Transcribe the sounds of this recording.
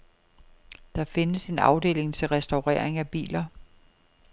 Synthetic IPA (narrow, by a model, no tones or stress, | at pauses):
d̥ɑ̈fe̝nəse̝nɑ̈ʊd̥e̝̰ːle̝ŋt͡sʰe̝lʁɛsd̥ɑʊʁɛ̰ɐ̰eŋæb̥ḭːlɐ